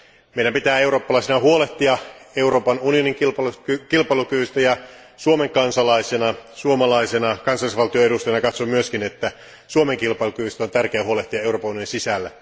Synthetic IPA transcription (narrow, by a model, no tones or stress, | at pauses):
meiɾæmpit̪æːeuroːpːɑlɑˑisenɑhuoleht̪iɑeuroːpɑnunijoniŋkilkilpɑilukyʋyst̪æjɑ | suomeŋkɑnsɑlɑisenɑsuomɑlɑisenɑkɑnsɑlːisʋɑlt̪ioeɾust̪ɑjɑnɑkɑt̪somyøskinet̪ːæ | suomeŋkilpɑilukyʋyst̪æont̪ærkeæhuoleht̪iɑe̞uɾroːpɑunijoninsisælːæ